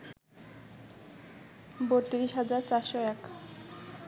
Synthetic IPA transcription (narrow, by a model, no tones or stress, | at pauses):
boɾt̪iɾiʃɦad͡ʑaɾt͡ɕaɾʃoɛk